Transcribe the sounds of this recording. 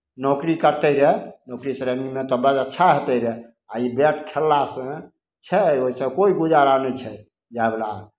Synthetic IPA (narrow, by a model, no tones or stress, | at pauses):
nɔkɾikəɾt̪əɾɛnɔkɾisɾənimet̪ɔbəd͡ʒətːʃʰaɦot̪əɾɛ | aibeʈ̚kʰelːasə̃ | t͡ʃʰɛoisə̃koiɡud͡ʒaɾanɛt͡ʃʰɛ | d͡ʒaebla